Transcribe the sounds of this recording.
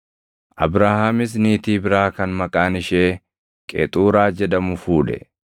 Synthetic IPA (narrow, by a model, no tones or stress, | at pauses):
ʔɐ̰bɾaːhaːmɪs̬niːt̪iːbɪɾaːkɐnmɐkʼaːnɪʃeː | kʼḛːt̪ʼuːɾaːd͡ʒɛd̪ɐmʊfuːᶑɛ̰